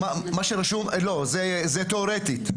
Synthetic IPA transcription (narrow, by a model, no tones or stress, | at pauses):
mamaʃeɾaʃumlozezet̪eoɾet̪it̪